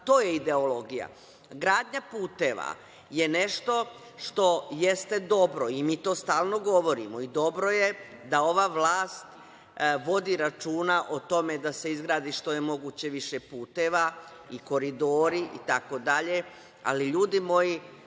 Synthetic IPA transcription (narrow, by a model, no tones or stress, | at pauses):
t̪oːjeid̪e̞olo̞ɡija̰ | ɡɾaːd̪ɲapuːt̪e̞ːʋa̰ | jene̞ʃt̪o̞ | ʃt̪o̞jest̪e̞d̪o̞bɾoimiːt̪o̞ːst̪aːlˠno̞ɡo̞ʋo̞ɾḭmo̞id̪o̞bɾojed̪ao̞ʋaːʋlaːst̪ | ʋo̞d̪iɾat͡ʃuːnaʔot̪o̞me̞d̪ase̞izɡɾaːd̪iʃt̪o̞jemo̞ɡuːt͡ɕe̞ʋiʃepuːt̪e̞ːʋa | iko̞ɾid̪o̞ːɾiʔḭt̪ako̞d̪aʎe̞ | a̰liʎuːd̪imo̞ji